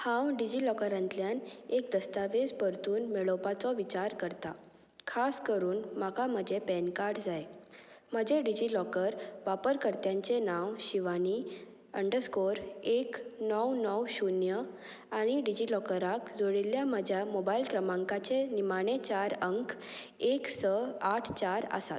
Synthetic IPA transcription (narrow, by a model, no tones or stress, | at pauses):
hãwɖid͡ʑilɔkəɾãnt̪ljanek̚d̪əst̪aʋed͡zpəɾt̪uːnmeɭɔpat͡sɔʋit͡ɕaɾkəɾt̪a | kʰaskəɾuːnmakam̤əd͡ʑʱepɛnkaɾʈd͡zaje | m̤əd͡ʑʱeɖid͡ʑilɔkəɾʋapəɾkəɾt̪jãɲt͡senãwɕiʋani | əɳɖəskoɾeknɔwnɔwɕunjə | aɽ̃iɖid͡ʑilɔkəɾakd͡zoɽiljam̤əd͡ʑʱjamobailkɾəmãŋkat͡senimaɽ̃et͡ɕaɾəŋkʰ | eksəaʈʰt͡ɕaɾə̰sa̰t̪̚